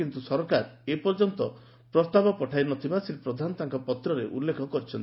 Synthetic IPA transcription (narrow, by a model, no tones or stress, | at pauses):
int̪usɔɾkaɾepɔɾd͡ʒɔnt̪ɔ | pɾɔst̪abɔpɔʈʰajnɔt̪ibasiɾpɾɔd̪ʱanɔt̪aŋkɔpɔt̪ɾɔɾeʔulːekʰɔkɔɾit͡ʃʰɔnt̪i